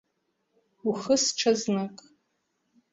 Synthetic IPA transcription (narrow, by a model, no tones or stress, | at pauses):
uχəsʈ͡ʂʰaznakʼ